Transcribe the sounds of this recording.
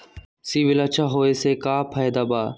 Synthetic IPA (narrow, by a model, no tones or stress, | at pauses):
siːʋɪlat͡ʃʰaːɦoːeːseːkaːpʰaːjd̪aːbaː